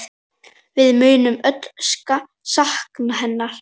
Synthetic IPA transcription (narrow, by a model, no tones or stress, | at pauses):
vɪðmʏːɥnʏmœt̪ska | sahknaɦɛnːaɾ̥